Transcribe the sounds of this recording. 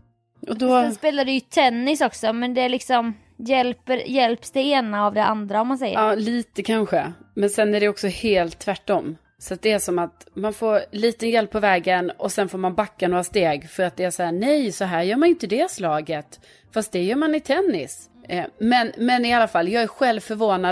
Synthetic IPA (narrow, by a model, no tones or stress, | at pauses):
ɔd̪ɔɛspeːlaɖɛjɵt̪ʰɛnːɪsɔksɔmɛnd̪ɛæɭɪksɔm | jɛlpəɾjɛlpsd̪ɛeːnaːvd̪ɛʔa̰nd̪ɾaɔmːans̬ɛjːəɑːliːt̪əkʰanɧəmɛnsɛnæɖɛɔksɔheːlt̪ʰːvæʈːɔmː | sɔat̪̚d̪ɛæʂɔmat̪manfoːɾliːt̪ənjɛlpʰːɔvɛːɡənɔsɛnfoːɾmanbakːanoːɾast̪eːɡfœɾat̪̚d̪ɛæʂɔhæːnɛjsɔɦæːɾjœːɾmanjɪnt̪əd̪ɛslɑːɡət̪ | fast̪̚d̪ɛjœːɾmanɪt̪ʰɛnːɪ̰s | mɛnmɛnɪalːafalːjɑːɡæɾɧɛlvfœɾvoːna